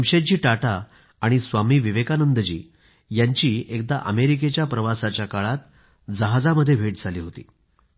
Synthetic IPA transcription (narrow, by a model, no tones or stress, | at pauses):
əmɕet͡ɕiːʈaʈaː | ɽ̃isʋamiːʋiʋekanənd̪əd͡ʑḭː | jaɲt͡ɕiːek̚d̪aʔəmeɾik̬et͡ɕjapɾəʋasat͡ɕjakaɭat̪̚ | d͡zəɦad͡zaməd̪ʱːjebʱeʈd͡zʱaliːɦot̪ḭː